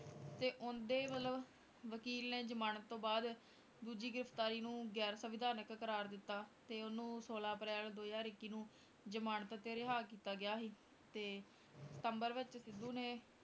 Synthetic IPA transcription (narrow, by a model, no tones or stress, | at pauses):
t̪eːʔʊnd̪eːʋələ | ʋəkiːlneːd͡ʒəmaːnət̪ːõːbaːd̪ | d̪uːd͡ʒiːɡɪɾəft̪aːɾiːnũːɡɛːɾsəʋɪd̪aːnəkkəɾaːɾd̪ɪt̪ːaːt̪eːʊnũːsoːlaːpɾɛːld̪oːjaːɾɪkːiːnũː | d͡ʒəmaːɳət̪t̪eːɾɪɦaːkiːt̪aːɡɪjaːɦiː | t̪eː | sə̥t̪əmbəɾʋɪt͡ʃsɪd̪ːuːneː